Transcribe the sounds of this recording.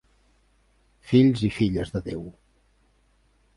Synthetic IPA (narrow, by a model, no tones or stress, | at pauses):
fiʎzifiʎəzðəðew